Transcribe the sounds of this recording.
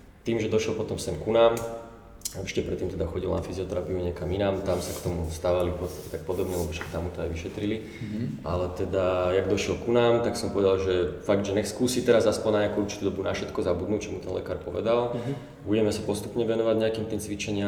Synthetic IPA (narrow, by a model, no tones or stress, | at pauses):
t̪iːmʒɛd̪ɔʃjɛlpɔt̪ɔmsɛnkunaːm | ɛt͡ʃi̥cɛpɾɛt̪ːiːmt̪ɛd̪axɔɟilnafiziɔt̪ɛɾapiuɲɛkaminaːmt̪amsakt̪ɔmust̪aːʋalifpɔt̪st̪ḁcɛ̥t̪ak̚pɔd̪ɔbɲɛlɛbɔʃɛ̥t̪amːut̪ɔajʋiʃɛt̪ɾili | a̰lɛt̪ɛd̪ajaɡd̪ɔʃɪɛlkunaːmt̪aksɔmpɔʋɛd̪alʒɛfaɡ̚d̪ʒɛɲɛskuːsit̪ɛɾazaspɔɲnaɲakuuɾt͡ʃi̥t̪ud̪ɔbunafʃɛt̪kɔzabud̪nuːct͡ʃɔmut̪ɛnlɛ̰kaːɾpɔʋɛ̰d̪alˠ | buɟɛmɛsapɔst̪upɲɛʋɛnɔʋaɟɲɛakiːmt̪iːmt͡sʋit͡ʃɛɲɪa